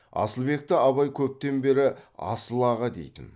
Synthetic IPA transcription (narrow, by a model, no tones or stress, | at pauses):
ɑ̰səlˠbe̞k̚t̪ɪɑβɑjkʲʰɵp̚t̪e̞nbe̞ɾɪɑ̰səlˠɑʁəd̪e̞̰jt̪ɪ̰n